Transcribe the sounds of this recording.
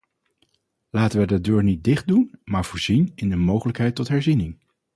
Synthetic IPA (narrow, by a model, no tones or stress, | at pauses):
laːtənʋədədøːɹnit̚dɪχt̚dunmaːɹv̥ʊːɹzinɪndəmowχələkɦɛjtɔtɦɛɹzinɪŋ